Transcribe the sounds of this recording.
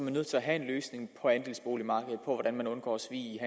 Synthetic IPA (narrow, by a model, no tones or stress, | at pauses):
mænːøð̰ˠt͡sʰe̝æɦæe̝nløːsne̝ŋpʰɒ̽ænd̥e̝lsb̥o̝ːlimɑ̈ːɡ̥əð̩ˠpʰɒ̽ʋɒɾ̥ænmænɔ̽nɡ̥ɒ̰ːsʋḭːiɦæ